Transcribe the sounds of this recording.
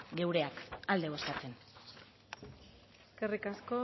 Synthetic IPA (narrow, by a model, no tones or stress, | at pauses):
ɡe̞wɾe̞akald̪e̞βoskat͡se̞n | kerikasko